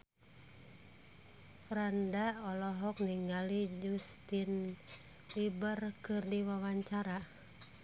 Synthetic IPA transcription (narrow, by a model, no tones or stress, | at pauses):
fɾandaɔlɔɦɔk̚niŋalid͡ʒust̪in | libərkɨrdiwawaɲt͡ʃaɾa